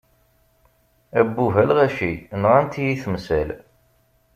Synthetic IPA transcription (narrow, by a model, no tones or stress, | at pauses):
æbːuɦælʁæʃinʁænt̪ijiθmsæl